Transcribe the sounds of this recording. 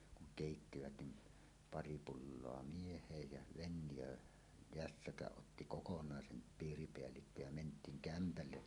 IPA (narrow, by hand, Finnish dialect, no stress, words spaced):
kuŋ keˑitːiʋæt nim pɑri pulːoɑ miehˑeːj jɑ ʋenjøː jæsːækæʔ ʔotːi kokonɑˑesen piːripeælːikːo jæ mentˑiːŋ kæmpælːe